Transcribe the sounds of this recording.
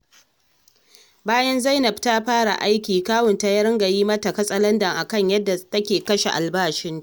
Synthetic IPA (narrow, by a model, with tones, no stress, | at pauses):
baː˦jɐ˦nza˦jnɐ˨btaː˦ɸaː˦ɽa̰˨ʔa˦jkʲiː˨kaː˦wʊ˨nta˨ja˦ɾɐ˦ŋɡɐ˨jiː˦mɐ˦tɐ˨kɐ˦sʼɐ˦lɐ˦ndɐ˨ŋʔa˨kɐ˦˨ɲjɐ˦dːa˨tɐ˦kʲeː˨kɐ˦ʃe˨ʔa̰˨lbaː˦ʃɪ˦n˦